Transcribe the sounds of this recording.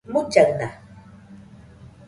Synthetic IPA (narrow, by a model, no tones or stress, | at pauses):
mʊt͡ʃaŋna